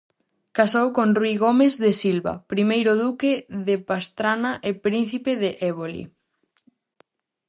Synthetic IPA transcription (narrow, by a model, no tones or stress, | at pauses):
kasowkonrwiɣomezðesilβa̰pɾimejɾoðukeðepast̪ɾanaʔepɾin̟θipeðeʔɛβ̞olḭ